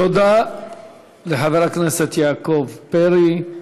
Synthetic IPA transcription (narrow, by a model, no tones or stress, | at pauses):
tod̪a | leħaveʁakneset̪jaːkovpeʁi